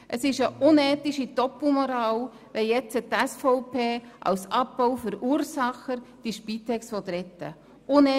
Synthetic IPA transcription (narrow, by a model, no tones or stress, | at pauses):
ʔəsɪʃəʔʊnɛːt̪iʃid̥ɔpl̩mɔɾɑːl | ʋɛjɛt͡sət̪ɛsfɔʊpʰeːʔɑ̰wsɑp̚ːawfʏɾuːɾsɑχəɾd̥iʃpit̪ɛksʋɔt̪ɾɛt̪ːə̰ | ʊnɛ